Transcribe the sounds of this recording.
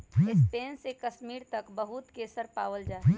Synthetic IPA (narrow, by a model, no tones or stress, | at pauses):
ɪspeːnsekəsmiːɾt̪ɐkbəɦʊt̪keːsəɾpaːwəld͡ʒaːe